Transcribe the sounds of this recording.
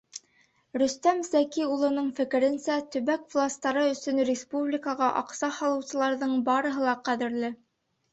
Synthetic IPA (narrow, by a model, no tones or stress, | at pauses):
ɾɵ̆st̪æmzækiulˠɤ̆nɤɴfɘ̆kɘ̆ɾɘ̆nsæt̪ɵ̆βækvlˠast̪ɑɾɤɵ̆sɵ̆nrʲɪspublʲikɑʁɑʔɑqsɑhɑlˠɤ̆wsɤ̆lˠɑɾðɤɴbɑɾɤ̆ɦɤlˠɑqæðɘ̆ɾlɘ